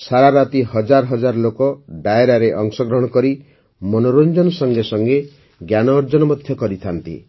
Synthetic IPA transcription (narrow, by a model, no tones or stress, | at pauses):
saɾaɾat̪ihɔd͡ʒaɾɔɦɔd͡ʒaɾlokɔɖaeɾaɾeʔɔŋsɔɡɾɔɦɔɽ̃ɔkɔɾi | mɔnoɾond͡ʒɔnɔsɔŋɡesɔŋɡe | ɡjanɔːɾd͡ʒɔnɔmɔd̪ʱjɔkɔɾit̪ʰant̪ḭ